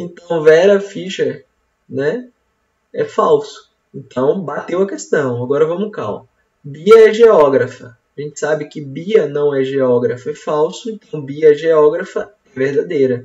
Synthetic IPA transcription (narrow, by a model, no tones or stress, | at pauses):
ẽt̪ɐ̃w̃vɛɾɐfiʃɐ | nɛ | ɛfawsʊ̥ | ẽt̪ʰɐ̃w̃bat̪ewɐkest̪ɐ̃w̃aɡɔɾɐvɐ̃mʊka̰w | biɐɛʒeɔɡɾɐfɐ | aʒẽnt͡ʃ̪ɪ̥sabɪkɪbiɐnɐ̃w̃ɛʒeɔɡɾɐfɐɛfawsʊẽnt̪ɐ̃w̃biɐɛʒeɔɡɾɐfɐ | ɛvehd̪ad̪ejɾɐ